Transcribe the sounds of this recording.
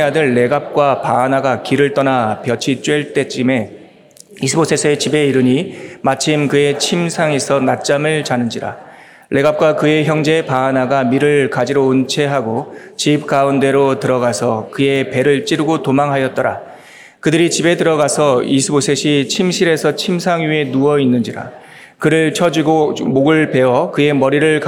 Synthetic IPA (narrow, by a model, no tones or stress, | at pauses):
adɯɭːe̞ɡap̚k͈wapaːnaɡakiɾɯɭt͈ʌnapjʌt͡ɕʰit͡ɕ͈weɭt͈e̞t͡ɕ͈ime̞ | isʰɯbosʰesʰet͡ɕibe̞iɾɯɲimat͡ɕʰimkɯe̞t͡ɕʰimsʰaŋesʰʌnat̚t͡ɕ͈amɯɭt͡ɕanɯnd͡ʑiɾa̰ | lʔe̞ɡap̚k͈wakɯe̞çjʌŋd͡ʑe̞paːnaɡamiɾɯɭkad͡ʑiɾount͡ɕʰe̞ɦaɡot͡ɕip̚k͈aunde̞ɾotɯɾʌɡasʰʌkɯe̞pe̞ɾɯɭt͡ɕ͈iɾɯɡotomaŋɦajʌt̚t͈ʌɾa̰ | kɯdɯɾit͡ɕibe̞tɯɾʌɡasʰʌisʰɯbosʰe̞ɕʰit͡ɕʰimɕʰiɾe̞sʰʌt͡ɕʰimsʰaŋjɥe̞nuʌinːɯnd͡ʑiɾa̰ | kɯɾɯɭt͡ɕʰʌd͡ʑiɡomoɡɯɭpe̞wʌkɯe̞mʌɾiɾɯɭk